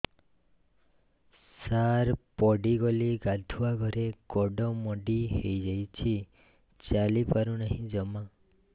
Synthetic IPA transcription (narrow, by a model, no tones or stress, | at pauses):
saɾpɔɖiɡɔliɡad̪ʱuaɡʱɔɾeɡɔɖɔmɔɖiɦejd͡ʒajt͡ʃʰi | t͡ʃalipaɾunaɦĩd͡ʒɔma